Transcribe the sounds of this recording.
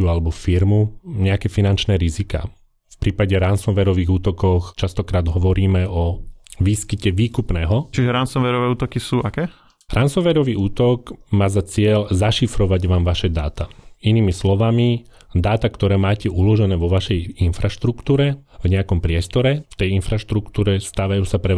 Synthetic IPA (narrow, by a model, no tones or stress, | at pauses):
ualɛbɔfiɾmuɲɛakɛːfinant͡ʃnɛːɾizika̰ː | fpɾʔiːpaɟɛɾansɔnʋɛɾɔʋiːɣuːt̪ɔkɔxt͡ʃast̪ɔkɾaːd̪ɦɔʋɔɾiːmɛɔʋiːskicɛʋiːkupnɛːɦɔt͡ʃiʒɛɾansɔnʋɛɾɔʋɛːuːt̪ɔkisuːʔakɛː | ɾansɔʋɛɾɔʋiːuːt̪ɔɡmaːzat͡sɪɛʎzaʃifɾɔʋaɟʋaːmʋaʃɛd̪a̰ːt̪ainiːmislɔʋami | d̪aːt̪akt̪ɔɾɛːmaːcɛulɔʒɛnɛːʋɔʋaʃɛjinfɾaʃt̪ɾukt̪uːɾɛvɲɛakɔmpɾɪɛst̪ɔɾɛft̪ɛjinfɾaʃt̪ɾukt̪uːɾɛst̪aːʋajuːsapɾɛ